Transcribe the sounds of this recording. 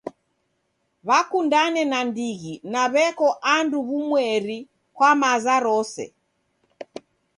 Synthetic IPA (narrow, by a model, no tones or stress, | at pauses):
βakundanɛnandiɣinaβɛkɔʔanduβumwɛɾi | kwamazaɾɔsɛ̰